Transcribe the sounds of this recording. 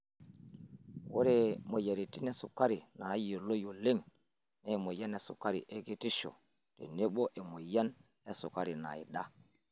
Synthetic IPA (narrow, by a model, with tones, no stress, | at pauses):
wo˦ɾɛ˦mo˨je˨ɾi˨ti˦nɛ˦su˨kːa˦ɾi˨na˨i˦o˨lo˦jo˨le˦ŋ | nɛ˨mo˨ja˦ne˨sṵ˨ka˦ɾi˨ʔe˦ɡi˦ti˦ʃo̰˨ | tḛ˨ne˦ɓo˦ʔɛ˨mo˨ja˦n | ɛ˦sṵ˨ka˦ɾi˨na̰˨jḭ˨ɗa˦